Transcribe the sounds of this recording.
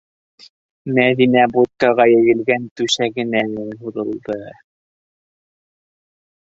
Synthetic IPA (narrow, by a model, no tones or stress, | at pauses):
mæðinæbut̪̚kɑʁɑjɘ̆jɘ̆lɡænt̪ʉʃæɡɘ̆nænɘnɦuɾɤ̆lˠd̪ɤ